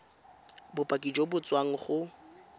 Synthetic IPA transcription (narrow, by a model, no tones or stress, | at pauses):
bʊpʼakʼid͡ʒobʊt͡sʼwaŋ̩χʊ